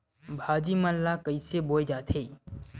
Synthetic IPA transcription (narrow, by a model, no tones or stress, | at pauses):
bʱaːd͡ʒimənlakəiseboːjd͡ʒaːt̪ʰeː